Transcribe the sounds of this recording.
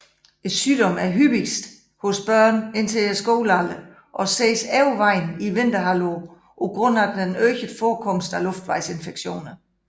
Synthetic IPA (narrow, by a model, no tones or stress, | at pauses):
e̝d̥syːd̥ɒ̽mæɐɦyb̥isd̥ | hɔ̽sb̥ɶɐ̰ne̝nt͡sʰe̝esɡ̥oʊːlælə | ʔɒ̽seːsɛʊʋɑ̈ɪniʋe̝nd̥ɐɦælo | ʔɒɡ̥ʁɔ̽n̰æd̥enøːçəd̥fɒːkʰɔ̽msd̥ælɔ̽fd̥ʋɑ̈ɪse̝nfeɡ̥ɕo̝̰ːnɐ